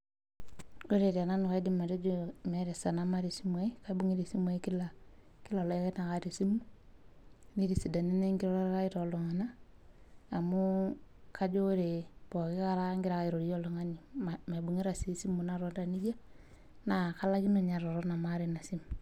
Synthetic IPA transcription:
o˦ɾe˨ɾa˨na˦nu˨ka˦i˦di˦ma˨de˦d͡ʒome˨˦ɾe˨sa˨na˦ma˦ɾi˨si˦ma˦i˦ka˦bu˦ŋi˦ɾi˨si˦ma˦i˦ki˦laki˦la˨lɔ˨˦ke˦na˨ka˦ɾi˨si˦mu˦ | ni˦ɾi˨si˨da˨ni˦ne˦ŋɡi˦ɾɔ˦ɾa˦ɾa˦i˦ɾo˨lo˨ŋa˨naː˦˨ | mu˦ka˦d͡ʒo˦ɾe˨b̥o˨ki˦ka˦ɾa˦ŋɡiɾa˨ka˦i˨ɾo˨ɾi˦jo˦lo˨ŋa˦ni˨ma˨bu˨ŋi˦ɾa˨si˦si˦mu˨na˦ɾo˦nda˨ni˦d͡ʒa˦ | na˨ka˦la˦ɡi˦me˨ɲa˨ɾɔ˨ɾɔ˦na˨ma˦ɾi˨na˨si˦m

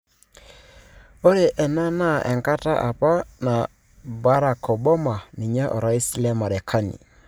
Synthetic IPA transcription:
o˦ɾe˨ʔɛ˨na˦na˦ʔɛ̰˨ŋka˦ta˦ʔa̰˨pa˦na˨ | ba˦ɾa˨kɔ˨ba˦ma˨ni˨ɲa˦ʔɔ̰˨ɾa˦i˦si˦lɛ˦ma˨ɾɛ˨kʰa˦nḭ˨

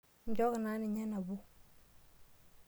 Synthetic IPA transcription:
ɲ˨d͡ʒo˦kna˦ni˨ɲa˦na˨bu˦

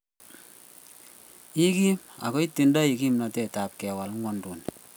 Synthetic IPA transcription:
i˦ki˦ma̰˨ko˦i˦tːi˨nda˦i˨ki˦mnɔ˨tɛ˨ta˨p̚kɛ˨wa˨lŋwɔ˦ndu˨n

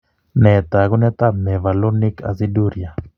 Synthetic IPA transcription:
nɛ˨t̪a˨ɣu˦nɛ˦t̪a˦mɛ˨va˨lo˦ni˦ka̰˨si˦du˦ɾia˨

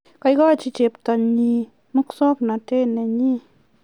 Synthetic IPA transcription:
ka˧jɡa˦˨t͡ʃi˧t͡ʃe˧˨p̚t̪a˧˨ɲi˧ | mu˦ksɔ˦k̚na˨t̪e˦˨nɛ˧ɲi˦

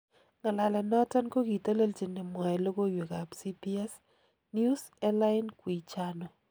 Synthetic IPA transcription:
ŋa˨la˨lɛ˨nɔ˦ta˦nko˦ki˨to˦le˦lt͡ʃi˨nɪ˨mɔ˨ɛ˨lo˦ko˦jwe˨ka˨psi˦pi˦ɛ˦s | nju˦s | ɛ˦la˦ɪnkwi˨t͡ʃano˨

